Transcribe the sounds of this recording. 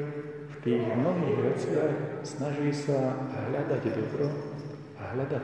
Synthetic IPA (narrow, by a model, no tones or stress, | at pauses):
ft̪iːɣmnɔɦiːɣʋɛt͡sɪaxsnaʒiːsaɦlad̪aɟd̪ɔbɾɔ | aɦʎad̪a